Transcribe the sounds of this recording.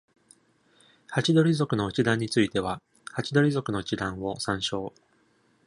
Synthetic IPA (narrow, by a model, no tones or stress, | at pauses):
hat͡ɕid̪o̞ɾʲizo̞kɯ̟no̞ɯ̟t͡ɕid̪ãɲ̟ːit͡sɨit̪e̞β̞a | hat͡ɕid̪o̞ɾʲizo̞kɯ̟no̞ɯt͡ɕid̪ãɰ̃βo̞sãɰ̃ɕo̞ː